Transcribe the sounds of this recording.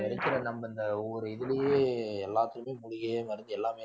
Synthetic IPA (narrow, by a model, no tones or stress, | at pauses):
ɛɾɐkːɪɾɐnɐmːɐɪnd̪ɐɔɔɾɯɪðɪlɪjeːɛlːaːt̪ːɯɾɯmeːmʊɻɪɣɐmɐɾɯnd̪ɯɛlːaːmeː